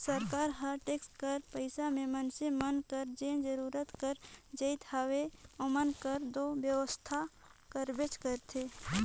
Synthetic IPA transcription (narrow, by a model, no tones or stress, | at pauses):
səɾkaːɾɦəɾʈeːksʈkəɾpəɪsamẽmənsemənkəɾd͡ʒẽnd͡ʒəɾuːɾət̪kəɾd͡ʒəɪt̪aʋeomənkəɾd̪objəʋəst̪ʰa | kəɾbet͡ʃkəɾt̪ʰe